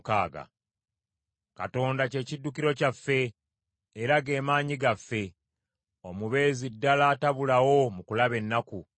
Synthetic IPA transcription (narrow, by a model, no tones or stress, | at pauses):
ka̰ːɡa̰ | ka̰to̞ːndace̞ːcidːukiɾo̞cafːe̞ː | ɾaɡe̞ːmaːɲiɡafːe̞ | o̞muβe̞ːzidːalataβulawo̞mukulaβe̞nːaku